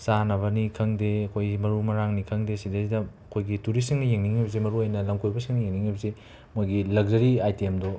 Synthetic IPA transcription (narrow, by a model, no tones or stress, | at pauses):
sanɐβɐnikʰɐŋdeɐkʰojimɐɾumɐɾaŋnikʰɐŋdesidezidɐɐkʰojɡituɾisiŋnɐjeŋniŋijbɐzimɐɾuojnɐlɐmkʰojbɐsiŋnɐjeŋniŋɐjbɐze | mojɡilɐɡzɐɾiajtiemdo